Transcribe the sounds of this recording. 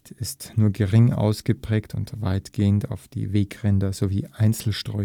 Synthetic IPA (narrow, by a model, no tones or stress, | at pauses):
tʰɪstnuːɐɡəʁɪŋʔa̰ʊsɡ̥əpʁ̥ɛːktʰʊntv̥aɪtɡ̥eːənta̰ʊfd̥ḭːveːkʁɛndɐzoviːʔaɪnt͡sl̩ʃtʁ̥ɔʏ